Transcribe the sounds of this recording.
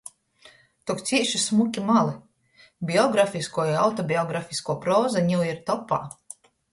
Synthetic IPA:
t̪ukt̪sʲiɛʃismukʲimalˠi | bʲiɔɡɾafiskuɔjawt̪ɔbʲiɔɡɾafʲiskuɔpɾɔːzaɲiwiɾt̪ɔpːa̰ː

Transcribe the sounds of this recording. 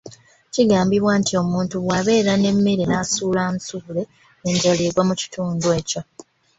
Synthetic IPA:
ciɡaːmbiβwaːntio̞muːntuβwaβe̞ːɾane̞mːe̞ɾenasuːlaːnsuule̞ | eɲɟo̞leɡwamuci̥tuːndwe̞ːco̞

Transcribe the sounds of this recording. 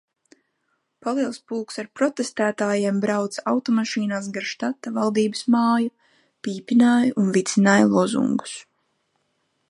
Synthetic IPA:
palˠiɛlˠspulˠksaɾpɾɔt̪est̪æːt̪aːjeɛmbɾawt̪sawt̪ɔmaʃiːnaːsɡaɾʃt̪at̪ːavalˠd̪iːbəsmaːju | piːpinaːjunvit̪sinaːjlˠɔzṵŋɡu̥s

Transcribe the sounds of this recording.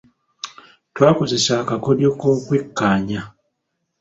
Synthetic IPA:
twaːko̞ze̞saːkako̞ljo̞koːkwekːaːɲa

